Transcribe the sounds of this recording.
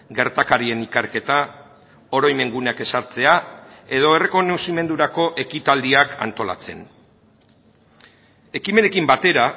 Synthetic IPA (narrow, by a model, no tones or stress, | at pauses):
ɡe̞ɾt̪akaɾie̞nikaɾke̞t̪a | o̞ɾojme̞ŋɡuneake̞saɾt͡se̞ae̞ð̞o̞e̞re̞ko̞nosime̞nd̪uɾako̞ʔe̞kit̪ald̪iaka̰nt̪o̞la̰t͡se̞n | e̞kime̞ne̞kimbat̪e̞ɾa